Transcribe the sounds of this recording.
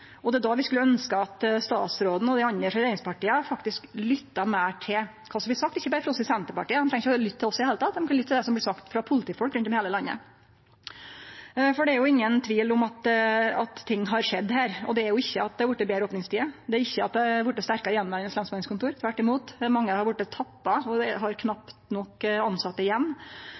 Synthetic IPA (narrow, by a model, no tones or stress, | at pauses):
ɔd̪ɛd̪ɑʋɪskʉlːəœnskəɑt̪st̪ɑ̰ːt̪sɾoːd̪n̩ɔd̪ɛɑneːʂɔɾeːɾɪŋspʰɑʈiːəfɑkt̪ɪsklʏt̪ːɑmæːʈʰɪl | kʰɑːsɔmb̪lɪsɑk̚t̪ɪçːəbɑɾəfɾɑɔsɔsɛnt̪əpɑʈiːəd̪ɛmt̪ɾɛŋːɪçəlʏt̪ʰːɪlɔsːɔd̪heːlət̪ɑːt̪d̪ɛmkɑnlʏt̪ʰːɪld̪ɛsɔmblɪsɑkt̪fɾɑpʰʊlət̪iːfɔlkɾʉnt̪ɔmheːləlɑnːə̰ | fɔɖɛæɾjʊɪŋːənt̪ʰʋiːlʊmɑt̪ɑt̪t̪ʰːɪŋːɦɑɾʂɛd̪ːhæːɾɔd̪ɛæɾjʊɪçːəɑt̪̚d̪ɛɑɾʋʊʈːəbeːɾəoːpnɪŋst̪ʰiːəd̪ɛæɾɪçːəɑt̪d̪ɛʋʊʈːəst̪æɾkɑɾɪjɛnːmæːnɛsɛnsmɑnskʰʊnt̪uːɾt̪ʰʋæʈːɪmuːt̪mɑŋːəhɑɾʋʊʈːət̪ʰɑpːɑɔd̪ɛɦɑɾkʰnɑpt̪nɔkːɑnsɑt̪ːəɪjɛnː